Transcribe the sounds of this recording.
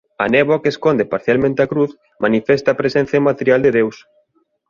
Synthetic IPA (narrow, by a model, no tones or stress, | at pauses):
a̰nɛβokeskond̪epaɾθjalmẽnt̪eakɾuθ | manifɛst̪aːpɾesɛ̃n̟θjɐmat̪eɾjald̪eðews